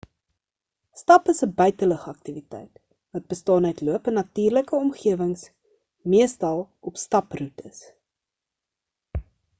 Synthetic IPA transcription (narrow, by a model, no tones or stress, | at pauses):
stɐpəsəbœɥtələχəɐk̚tivitɛ̰jt | vɐt̚bəstɑːnœɥtluəpənːɐtiːrləkəɔmχiəvəŋs | miəstɐlˠ | ɔpstɐprutəs